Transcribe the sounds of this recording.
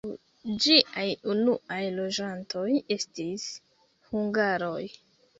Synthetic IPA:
w | d͡ʒiʔajunuʔajlo̞d͡ʒanto̞je̞stis | huŋɡaɾo̞j

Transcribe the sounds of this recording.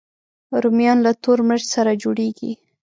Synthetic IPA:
ɾʊmjɑnlat̪oɾməʒsaɾad͡ʒoɽeɡḭ

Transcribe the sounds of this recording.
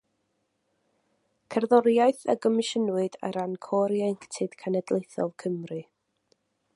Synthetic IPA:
kʰərðɔɾjaɨθə̰ɡɔmɪʃənwɨd̥ə̰ɾankʰɔːɾjɛŋktʰɪd̥kʰanɛdlˠejθɔ̰lˠkʰəmrɨ

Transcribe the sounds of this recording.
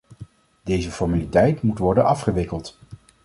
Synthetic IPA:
d̥ejzəfɔɹmalitɛjtmutʋɔɹdənɑfχəʋɪkəlˠt

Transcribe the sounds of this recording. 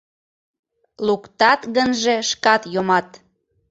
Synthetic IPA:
lukt̪ɑt̪ɣənʒe̽ʃkɑt̪jomɑt̪

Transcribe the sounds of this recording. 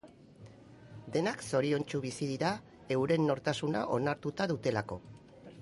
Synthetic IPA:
d̪e̞nakso̞ɾio̞nt͡ʃuβ̞isið̞iɾa | e̞wɾe̞nːo̞ɾt̪asuna̰ʔo̞naɾt̪ut̪aðut̪e̞lako̞

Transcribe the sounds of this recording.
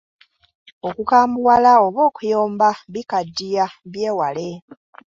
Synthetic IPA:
o̞kukaːmbuwalao̞βo̞ːkujoːmbaβikadːijaβjeːwale̞

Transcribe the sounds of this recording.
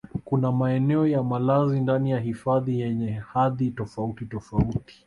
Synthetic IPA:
kunamaɛnɛɔjamalazindanijaɦifaðijɛɲɛhaðitɔfautitɔfauti̥

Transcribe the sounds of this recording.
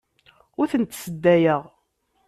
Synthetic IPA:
ʊɾθənt̪səd̪ːæjəʁ

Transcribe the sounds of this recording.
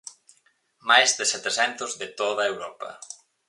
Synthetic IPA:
majzðɪsɛt̪esɛnt̪ʊzðɪt̪oðɐewɾɔpɐ̰

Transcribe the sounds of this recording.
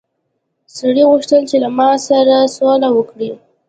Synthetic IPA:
saɽiɣuʂt̪əlt͡ʃelamɑsaɾasolawəkɽi

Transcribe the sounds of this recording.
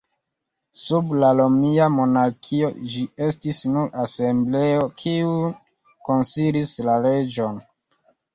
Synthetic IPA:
sublalomiamo̞naɾkʰiod͡ʒie̞stisnuɾase̞mble̞o̞kʰiu | ko̞nsiɾislale̞d͡ʒo̞n

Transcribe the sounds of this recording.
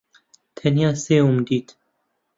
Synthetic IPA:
t̪ʰɛnjaːseːumd̪iːt̪

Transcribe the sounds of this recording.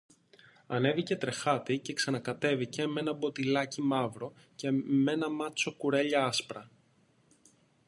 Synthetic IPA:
ɐne̞vice̞t̪ɾe̞xɐt̪ice̞ksɐnɐkɐt̪e̞vice̞me̞nɐbo̞t̪ilɐcimɐvɾo̞ | ce̞me̞nɐmɐt͡so̞kuɾe̞ʎɐɐspɾɐ

